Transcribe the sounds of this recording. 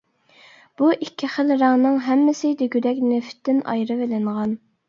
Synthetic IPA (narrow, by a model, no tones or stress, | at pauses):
b̥uʔikʲʰːiχəlɾɑŋnɨŋɦɛmːɪsɪd̪eɡʲyd̪ɛkʲneft̪ʰːɪnɑ̰jɾɨvelɪŋʁɑn